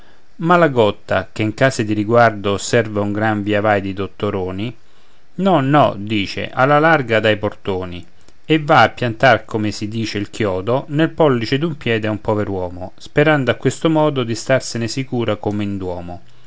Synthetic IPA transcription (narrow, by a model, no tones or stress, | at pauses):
malaɡɔt̪ːa̰keiŋkaːsed̪iɾiɡward̪osɛrvauŋɡɾaɱviavajd̪id̪ot̪ːoɾoːni | nɔnɔ̰d̪iːt͡ʃḛʔalːalarɡad̪ajport̪oːni | evːaːpːjant̪arkomesid̪iːt͡ʃeilkjɔːd̪onelpɔlːit͡ʃed̪umpjɛːd̪eaumpɔveɾwɔːmospeɾand̪oakːwest̪omɔːd̪od̪ist̪arsenesikuːɾakomeind̪wɔːmo